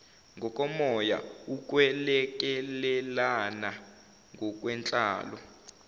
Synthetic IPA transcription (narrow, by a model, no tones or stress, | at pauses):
ŋɡʱɔk̬ʼɔmɔja̰uk̬ʼwɛlɛk̬ʼɛlɛlana | ŋɡʱɔk̬ʼwɛnt͡ɬʼa̰ːlɔ